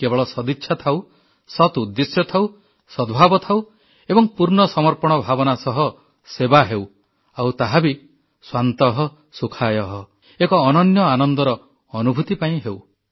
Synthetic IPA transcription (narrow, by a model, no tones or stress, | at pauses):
kebɔɭɔsɔd̪itːʃʰat̪ʰaw | sɔt̪ud̪ːesjɔt̪ʰaw | sɔd̪bʱabɔt̪ʰaw | ebɔŋpuɾɳɔsɔmɔɾpɔɽ̃ɔbʱabɔnasɔɦɔ | sebaɦew | awt̪aɦabi | swant̪ɔɦɔ | sukʰajɔɦɔ | ekɔːnɔnjɔanɔnd̪ɔɾɔː | nubʱut̪ipaĩɦew